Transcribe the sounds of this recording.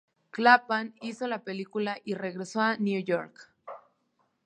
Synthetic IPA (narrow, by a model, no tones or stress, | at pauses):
klapanisolapelikulaʔireɣɾesoanjujoɾk